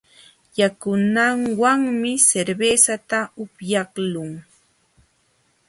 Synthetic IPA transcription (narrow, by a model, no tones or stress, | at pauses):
jakʊnaŋwaŋmɪseɾbeːsat̪aʊpjɑχlʊŋ